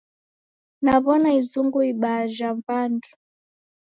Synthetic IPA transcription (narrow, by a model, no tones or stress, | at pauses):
naβɔnaizuŋɡuiɓaʒampandi